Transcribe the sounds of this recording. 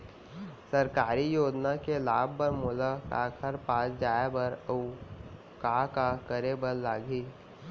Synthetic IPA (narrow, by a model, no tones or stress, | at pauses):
səɾkaːɾijoːd͡ʒnakelaːb̚ʱːəɾmʊlakaːkʰəɾpaːsd͡ʒaːebəɾə | kaːkakəɾebəɾlaːɡʱiː